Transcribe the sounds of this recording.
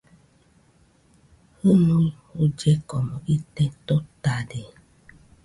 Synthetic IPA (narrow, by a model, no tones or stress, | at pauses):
hɨnũi | od͡ʒɛkɔmɔ̃ʔit̪ɛt̪ot̪ade